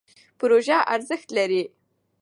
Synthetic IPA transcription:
pʊɾoʒaʔaɾzəxt̪laɾi

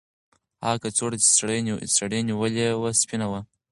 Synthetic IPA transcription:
hɑ̰kat͡soɽat͡ʃi̥sɽesɽeniwəlewaspinawa

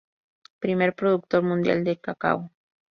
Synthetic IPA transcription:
pɾimeɾpɾoðʊk̚t̪oɾmʊnd̪ja̰ld̪ekaka̰w

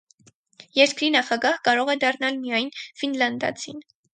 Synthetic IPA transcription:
jɛɾkɾinɑχɑɡɑhkɑɾɔʁɛd̪ɑrnɑlmijɑjnfinlɑnd̪ɑ̰t͡sʰḭn

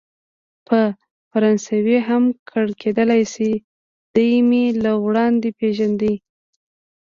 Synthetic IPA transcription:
pʰə | faɾɑnsaweɦamkʰəɽkʰed̪əlajsi | d̪̥əjmelawɽɑnd̪epeʒand̪i

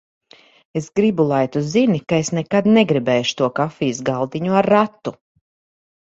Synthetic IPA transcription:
e̞sɡɾibulˠajt̪uzinikae̞snɛkad̪neɡɾibɛːjʃu̥t̪uɔkafiːjsɡalˠd̪iɲuaɾːat̪ːu

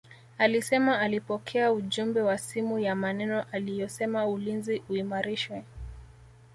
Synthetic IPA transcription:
alisɛmaːlipɔkʰɛauʄumbɛwasimujamanɛnɔʔalijɔsɛmaulinziuimaɾiʃwɛ

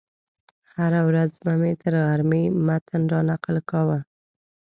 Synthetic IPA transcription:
haɾawɾazmamet̪əɾɣaɾmimat̪ənɾɑnaqəlkɑwa

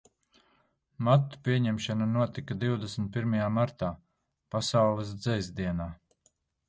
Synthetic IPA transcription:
mat̪ːu̥piɛɲɛmʃananuɔt̪ikad̪iwd̪esmt̪̚piɾmajaːmaɾt̪aː | pasawlˠɨs̬d̪zɛjzd̪iɛnaː

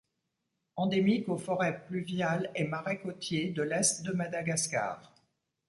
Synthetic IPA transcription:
ɑ̃d̪emikofɔʁɛplyvjalɛmaʁɛkɔt̪jed̪əlɛst̪d̪əmad̪aɡaska̰ːʁ

